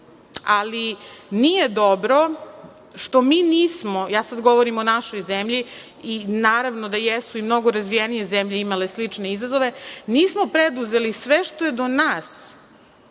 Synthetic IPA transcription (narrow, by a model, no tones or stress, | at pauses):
alinijed̪obɾo̞ | ʃt̪o̞miːniːsmo̞jaːsad̪ɡo̞ʋoɾimonaʃo̞jzemʎi | inaːɾaʋnod̪ajesuimno̞ɡo̞ɾazʋijenije̞zemʎeimaleslit͡ʂne̞izazoʋe̞niːsmopɾed̪uzelisʋeʃt̪o̞jed̪o̞naːs